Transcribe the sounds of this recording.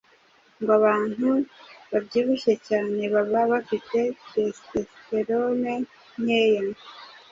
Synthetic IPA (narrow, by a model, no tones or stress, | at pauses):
ŋɡoaβaːn̥huβabɟiβuʃe̞caːne̞βaβaβafite̞testesteɾone | ɲejene